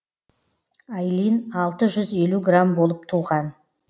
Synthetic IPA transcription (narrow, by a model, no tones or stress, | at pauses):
ajlinɑlˠt̪əʒʏze̞luɡrambo̞lˠəp̚t̪ʰuːʁɑn